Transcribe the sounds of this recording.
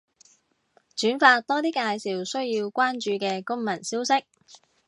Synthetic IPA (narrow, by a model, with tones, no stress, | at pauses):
t͡ʃyː˨˥nfaː˧t̚t̪ɔː˥t̪iː˥kaː˧jsiː˨wsɵ˥ɥjiː˧wkʷaː˥nt͡ʃyː˨˧kɛː˧kʊ˥ŋmɐ˨˩nsiː˥wsɪ˥k̚